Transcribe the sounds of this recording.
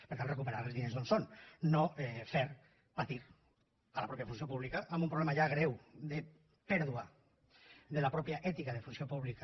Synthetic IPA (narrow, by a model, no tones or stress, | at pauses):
peɾt̪alrekupeɾaɾelzðinezðonsonːofeɾ | pat̪iɾ | alapɾɔpjafunsjopuβlikaʔːmbumpɾoulemaʒaɣ̞ɾewd̪e | pɛɾðua | ðelapɾɔpjaʔɛt̪ikaðefunsiopuβlika